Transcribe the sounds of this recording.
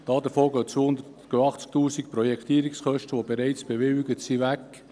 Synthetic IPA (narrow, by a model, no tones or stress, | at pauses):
d̥ɑːd̪əfoːɡœːt͡sʋoːhʊnd̪ətɡ̥øɑχt͡sk̚t̪uːsik̚pɾɔjɛkt̪iəɾiksχœʃtəʋobeɾɛɪt͡sb̥eʋɪwɪɡətsiʋækː